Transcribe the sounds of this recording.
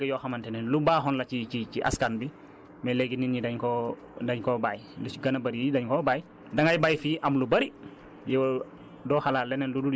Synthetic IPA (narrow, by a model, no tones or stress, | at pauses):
ɡɐjɔxamantɛnɛnlubaːɦɔnlɐt͡ʃit͡ʃit͡ʃiʔa̰skanbi | mɛlɛɡininidɐɲkɔ | daɲkɔbaːjluiɡɐnabɐɾidɐɲkɔbaːj | dɐŋajbaːjfiʔamlubɐɾi | jɛw | dɔxalaːlːɛnɛnludu